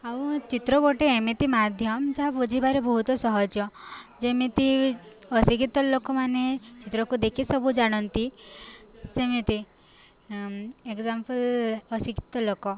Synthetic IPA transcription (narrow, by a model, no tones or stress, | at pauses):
awt͡ʃit̪ɾɔɡoʈeemet̪imad̪ʱjɔmd͡ʒaɦapud͡ʒʱibaɾebɔɦut̪ɔsɔɦɔd͡ʒjɔd͡ʒemet̪i | ɔsikit̪ɔlokɔmanet͡ʃit̪ɾɔkud̪ekʰisɔbud͡ʒaɽ̃ɔnt̪i | semet̪i | ekzampəlɔsiki̥t̪ɔlokɔ